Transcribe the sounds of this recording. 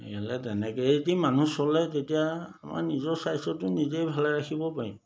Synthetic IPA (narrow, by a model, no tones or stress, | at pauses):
ḛkalɛtɛnɛkɛetimanusɔlɛtetijaama̰ɹnizɔɹsajsɔtʊnizejbʱalajɹaxʰibɔpaɹḭm